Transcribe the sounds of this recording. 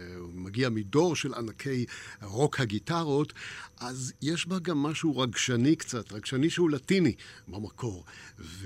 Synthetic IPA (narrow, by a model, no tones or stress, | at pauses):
maɡiamido̞ʁʃelanakʰe̞jʁo̞khaɡitaʁo̞tʔazjeʃbaɡamːaʃuʁaɡʃanikt͡satʁaɡʃaniʃehulatinibamakʰo̞ʁv